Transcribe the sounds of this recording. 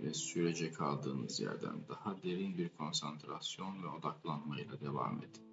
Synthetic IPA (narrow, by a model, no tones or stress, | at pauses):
vɛsyɾed͡ʒɛkʰalˠd̪ɯːnɯzjæ̰ɾd̪æ̰nd̪ahad̪e̞ɾinbiɾkʰo̞nsant̪ʰɾasjo̞nvɛo̞d̪aklˠanmajɯlˠad̪e̞va̰ːmḛd̪i